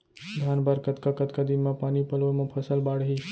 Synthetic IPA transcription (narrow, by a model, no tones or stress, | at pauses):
d̪ʱanbaɾkət̪kakət̪kad̪inmapanipəlʋəmapʰəsəlbaɽɦi